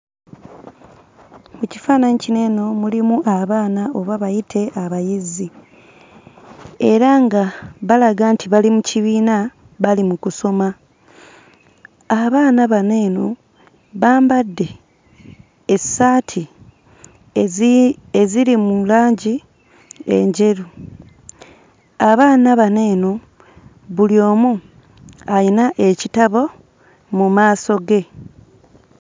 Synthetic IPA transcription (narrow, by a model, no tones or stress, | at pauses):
muci̥faːnaɲicine̞ːno̞mulimuʔaβaːnao̞βaβajitʰe̞ʔaβajizi | e̞ɾaŋɡaβalaɡantʰiβalimuciβiːna | βalimukuso̞ma | aβaːnaβane̞ːno̞ | βaːmbadːe̞ | esaːtʰi | eziɾimulaːɲɟi | ḛɲɟe̞ɾu | aβaːnaβaneːno | βuljo̞ːmu | ainaʔe̞citaβo̞ | mumaːso̞ɡe̞